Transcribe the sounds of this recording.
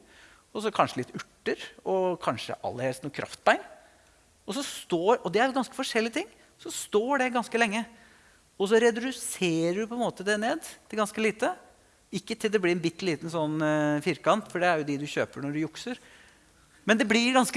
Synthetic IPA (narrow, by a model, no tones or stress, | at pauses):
ɔs̬ɔkʰɑnʂəlɪt̪ːʉʈːəɾɔkʰɑnʂə̰ʔɑ̰lːəɾhɛlst̪nuːkʰɾʔɑ̰ft̪̚bæɪn | ɔsɔst̪oːɾɔd̪ɛæɾlɡɑnskə̥fɔʂɛlːɪət̪ʰɪŋː | sɔst̪oːɖɛɡɑnskəlɛŋːə | ɔs̬ɔɾɛd̪ɾʉseːɾəɖʉpʰɔɛnmoːt̪əd̪ɛneːd̪t̪ʰɪlɡɑnskəliːt̪ə | ɪkːət̪ʰɪld̪ɛblɪɾɛnbɪt̪ːliːt̪n̩sɔnːfɪɾkɑnt̪fɔɖɛæɾjʊd̪ɛd̪ʉçø̰ːpəɳɔɖʉjʊksəɾ | mɛnd̪ɛblɪɾɡɑnsk